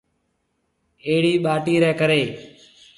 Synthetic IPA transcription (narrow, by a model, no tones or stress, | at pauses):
eːɽiːɓaːʈiːɾɛːkəɾeː